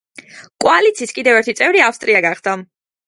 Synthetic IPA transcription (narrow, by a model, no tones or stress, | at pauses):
kʼwalit̪sʰiskʼid̪ɛvɛɾt̪ʰit̪sʼɛvɾiafst̪ʼɾʔiaɡaχd̪a